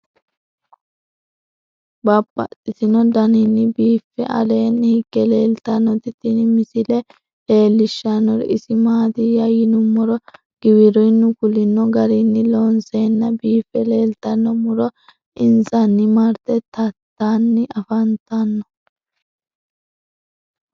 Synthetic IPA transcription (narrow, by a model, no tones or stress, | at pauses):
bɐpʼːɐ̰t̪ʼːɪsɪnɔd̪ɐnɪnːɪbiːfːɛʔɐ̰leːnːhɪɡːɛle̞ːlt̪ɐnːɔt̪ɪt̪ːɪnmɪsɪlɛ | le̞ːlːɪʃːanːɔɾ̰ɪsɪmaːd̪ɪjajɪnʊmːɔɾɔ | ɡ̥ɪwɪɾɔjnːʊkʊlɪnːɔɡɐɾɪnːɪloːnseːnːɐbiːfːɛle̞ːlt̪ɐnːɔmʊɾɔ | ʔɪnzɐnːɪmɐɾt̪ɛt̪ɐt̪ːaːnːɪʔɐfɐnt̪ɐnːɔ